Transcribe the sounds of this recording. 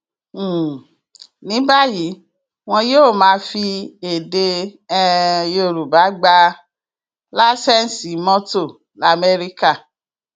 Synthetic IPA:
nĩ˨˦ba˦ji˨˦ | w̃ɔ̃˧joː˦˨mãː˧fi˧e˨de˧ɛ˧jo˨ɾu˨ba˨˦ɡ͡ba˧ | la˦sɛ˦n˨si˨˦mɔ̃˦to˦˨ | la˨mɛ˧ɾi˦ka˦˨

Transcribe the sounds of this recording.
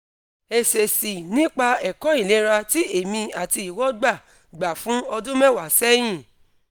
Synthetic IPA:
e˨se˨si˨nĩ˨˦k͡pa˧ɛ˨kɔ˨˦i˦˨le˨˦ɾa˧ti˦e˨mĩ˧a˨ti˧i˨wɔ˦ɡ͡ba˦˨ | ɡ͡ba˨fũ˦ɔ˧dũ˦mɛ̃˦˨wa˨sɛ˦j̃ĩ˦˨

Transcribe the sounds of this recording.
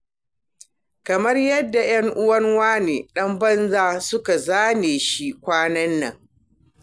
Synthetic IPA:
kɐ˨mɐ˦rjɐ˦dːa˨j̰ɐ˦ŋʔʊ˦wɐ˦ŋwaː˦neː˨ɗɐ˦mbɐ˦nzaː˦sʊ˦ka˨zaː˦neː˨ʃi˦kʷaː˦nɐ˦nːɐ˨ŋ

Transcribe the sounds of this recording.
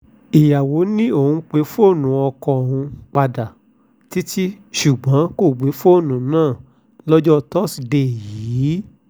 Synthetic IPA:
i˨ja˨wo˨˦nĩ˦o˦˨hũ˧k͡pe˨˦fo˦˨nũ˨˦ɔ˧kɔ̃˧o˨hũ˧k͡pa˧da˨ | ti˦tʰi˦ | ʃu˨ɡ͡bɔ̃˨˦ko˦˨ɡ͡be˨˦fo˦˨nũ˨˦nãː˦˨ | lɔ˦d͡ʒɔ˦˧tɔ˦˨si˨de˧˨jiː˨˦

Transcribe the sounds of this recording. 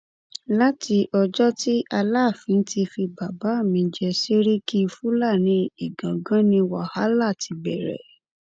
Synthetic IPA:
la˦ti˧ʔɔ˧d͡ʒɔ˦ti˦a˧la˦˨fĩ˨˧˦n̩˦ti˧fi˧ba˨ba˨˦˨mĩ˧d͡ʒɛ˧se˦ɾi˦ki˦˧fũ˦la˦˨nĩ˧˦i˨ɡã˨ɡã˦nĩ˧wa˦˨ha˦la˦˨ti˧bɛ˨ɾɛ̰˨

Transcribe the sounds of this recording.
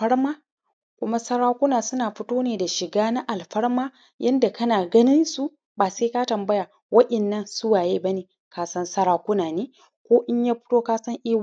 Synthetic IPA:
ɸɐ˦ɽmaː˦ | kʷʊ˦ma˦sɐ˦ɽaː˦kʷʊ˦naː˨sʊ˦naː˨ɸɪ˦toː˦neː˨da˨ʃɪ˨ɡaː˦na˦ʔa˨lɸɐ˦ɽmaː˦ | jɐ˦nda˨kɐ˦naː˨ɡɐ˦nɪ˦nsu˦ | baː˨seː˦ka˦tɐ˨mbɐ˦jaː˨ | wɐ˦ɗɐ˨nːɐ˦nsʊ˦waː˨jeː˦bɐ˦neː˨ | kaː˦sɐ˦nsɐ˦ɾaː˦kʷʊ˦naː˨neː˦ | kʷoː˦ʔɪ˦ɲjaː˦ɸɪ̥˦toː˦kaː˦sɐ˦ŋʔiː˦w

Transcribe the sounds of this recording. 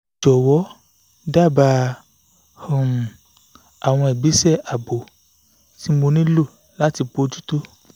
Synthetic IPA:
d͡ʒɔ˨wɔ˨˦ | da˦˨ba˧ | ho˨ | a˨w̃ɔ̃˧ɛ˨bi˨˦sɛ˦˨a˨bo˨ | ti˦mo˧nĩ˦lo˦˨ | la˦ti˧k͡po˧˦d͡ʒu˦to˦

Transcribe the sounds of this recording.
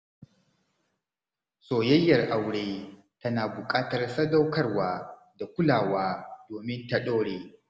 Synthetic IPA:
soː˨jɐ˦jːɐ˨rʔa˨wɽeː˦ | tɐ˦naː˨bʊ˨kʼaː˦tɐ˨rsɐ˦da˦wkɐ˦rwaː˦ | da˨kʷʊ˦laː˨waː˦doː˨mɪ˦nta˨ɗoː˦ɽeː˨

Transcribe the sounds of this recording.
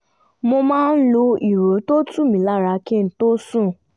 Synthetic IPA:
mo˧mãː˦n̩˦lo˧i˨ɾo˨˦to˦tũ˦˨mĩ˨˦la˦˨ɾa˧ki˦˨n̩˦to˦sũ˦˨

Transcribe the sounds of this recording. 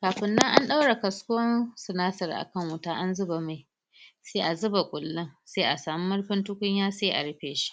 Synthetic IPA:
kaː˨ɸɪ˦nːɐ˦ŋʔa˦nɗa˦wɽa˨kɐ˨skʷʊ˦ɐ˦nsɪ˨naː˦sɐ˨rʔa̰˨kɐ˦˨ŋwʊ˦taː˦ʔa˦nzʊ˦ba˨ma˨ | seː˦ʔa˨zʊ˦ba˨kʷʼʊ˨lːɪ˦ŋseː˦ʔa˨saː˨mi˦mʊ˦rɸɪ˦ntʊ˦kʷʊ˦ɲjaː˦saː˦˨ʔa̰˨ɽɪ˦ɸeː˨ʃi̥˦ʔ

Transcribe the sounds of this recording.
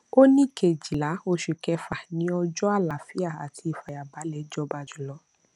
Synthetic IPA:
o˦nĩ˦˨kʰe˨d͡ʒi˨la˨˦o˧ʃu˨kɛ˧fa˨nĩ˨˦ɔ˧d͡ʒɔ˦a˦˨la˨fi˦a˦˨a˨tʰi˧i˨fa˨ja˨ba˨˦lɛ˨˦d͡ʒɔ˧˦ba˧˨d͡ʒu˨˦˨lɔ˨˦

